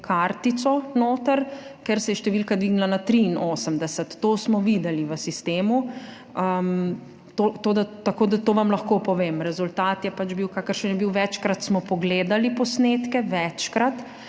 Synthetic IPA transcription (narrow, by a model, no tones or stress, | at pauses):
kʰaɾt̪it̪sɔnoːt̪əɾkɛɾsɛjɛʃt̪ɛʋilkad̪ʋiːɡnilanat̪ɾiːnoːsəmd̪ɛsət̪ːoːsmɔʋiːd̪ɛliʋəsist̪eːmu | əm | t̪ot̪oːd̪at̪akoːd̪at̪oːʋamlɐxkopɔʋeːmɾɛzult̪aːt̪jɛpat͡ʃbiwkakəɾʃənjɛbiwʋɛt͡ʃkɾat̪smɔpɔɡleːd̪alipɔsneːt̪kɛʋɛt͡ʃkɾat̪